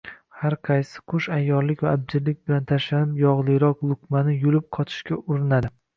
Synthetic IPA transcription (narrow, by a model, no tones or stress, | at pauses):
haɾqʰɑjsɪ̥qʰʊʃajːɒɾlɪkʲvaːb̚d͡ʒ̪ɪɾlɪk̚ʲbɪlant̪ʰaʃlanɪpjɒʁlˠɨjɾɒqlˠʊkmanɪjʊlɪp̚qʰɒt̪ʰɪ̥ʃkʲaʔʊɾɪnad̪ɪ